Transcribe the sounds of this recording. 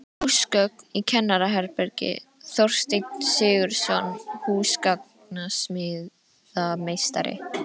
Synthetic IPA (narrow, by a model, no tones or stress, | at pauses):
huskœknicʰɛnːaɾaɦɛɾpɛɾcɪ̰θowr̥st̪ejk̪n̥sɪːɣʏɾ̥sɔnːhuːskak̚ | nasmɪːð | ðamejst̪a̰ɾɪ̰